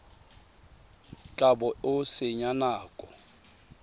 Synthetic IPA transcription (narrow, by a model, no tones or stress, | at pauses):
t͡ɬʼabɔʊsɪɲanaːkʼɔ